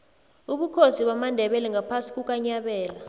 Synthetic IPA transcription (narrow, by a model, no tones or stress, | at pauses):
uɓukʰosiɓamandʱɛɓɛlɛŋɡapʰasi̥kʼuk̬ʼaɲaɓɛːla